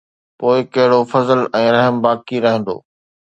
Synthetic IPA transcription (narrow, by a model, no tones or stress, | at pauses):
poːɪkɐɦɪɽofɐzəlɛ̃ːɾɐɦəmbaːkiɾɐɦɪ̃nd̪o̰ː